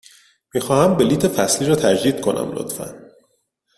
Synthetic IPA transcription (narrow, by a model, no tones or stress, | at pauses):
miːxɒːhæmbeliːt̪ʰe̞fæsliːɾɒːt̪ʰæd͡ʒd̪iːd̪̥̚kʰo̞næ̰mlo̰t̪fæ̰n